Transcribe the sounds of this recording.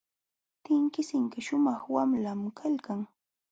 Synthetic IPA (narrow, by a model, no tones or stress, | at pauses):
t̪ɪŋkɪsɪŋkɪʃʊmɑχwamlamkʰalkaŋ